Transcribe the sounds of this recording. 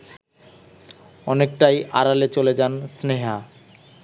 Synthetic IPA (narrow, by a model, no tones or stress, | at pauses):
ɔnek̚ʈajʔaɾalet͡ɕoled͡ʑansneɦa